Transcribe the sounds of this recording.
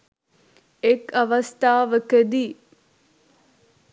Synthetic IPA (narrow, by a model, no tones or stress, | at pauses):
ekɐʋɐst̪aːʋəkəd̪i